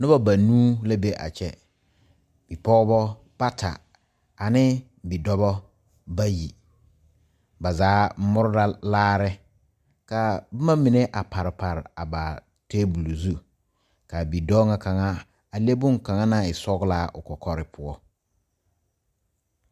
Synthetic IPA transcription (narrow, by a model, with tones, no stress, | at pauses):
nʊ˦ba˦ba˨nuː˦la˦be˦ʔa̰˨t͡ʃɛ˨ | b̥i˨pɔː˦bɔ˦ | pa˦tʰa̰˨ | a˨nɪ˦ | bi˨dɔ˦bɔ˦ | ba˦ji˨ | ba˨zaː˨˦mʊ˦ɾʊ˦da˦laː˦ɾɪ˦ | ka˨bʊ˦ma˦mɪ˨ne˦ʔa˨pa˨ɾɪ˨pa˨ɾɪ˨a˨ba˨ | teː˦bu˨lo˨zu˦ | ka˨bi˨dɔ˦ŋa˦ka˨ŋa˦ | a˨le˦bʊ˦ŋka˨ŋa˦na˨ɪ˨sɔ˦ɡla˦˨ʔʊ˨kɔ˨kʰɔ˦ɾɪ˦pʰʊ˨ɔ˦